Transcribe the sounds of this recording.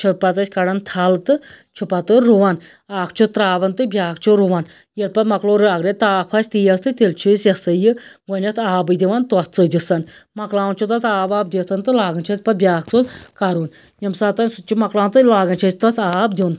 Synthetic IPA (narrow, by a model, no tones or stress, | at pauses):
t͡ʃʰupɐt̪ɐsʲkɐɽɐnt̪ʰaːlt̪ɨt͡ʃʰupat̪ɨɾuʋan | aːkʰt͡ʃʰut̪ɾaːʋɐnt̪ɨbʲjaːkt͡ʃʰuɾuʋan | jɐɾpɐt̪mɐkloːɾɨɐɡɾet̪aːpʰɐsʲt̪ijɐst̪ɨt̪elt͡ʃʰusjɐsɨjɨwɐnʲɐt̪ʰaːbɨd̪ʲiʋant̪uɐt̪t͡sɨd̪isɐnmɐklaːwnt͡ʃʰut̪ɐt̪aːbaːb̚d̪it̪ʰɐnt̪ɨlaːɡɐnt͡ʃʰɐtpɐbʲjaːkt͡sokaɾuːn | jɐmsaːt̪ɐnʲsut͡ʃʰumɐklaːnt̪ɨlaːɡɐnt͡ʃʰɐsʲt̪ɐt͡s̪ʰaːbd̪ʲun